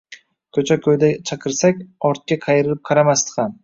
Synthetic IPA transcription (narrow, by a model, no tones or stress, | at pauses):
kʲʰɵt͡ʃʰakʲʰɵjd̪at͡ʃʰɑqʰɨɾsakʲɒɾt̪̚kʲaqʰɑjɪɾɪlɪp̚qʰɑɾamast̪ɨ̥qʰɑn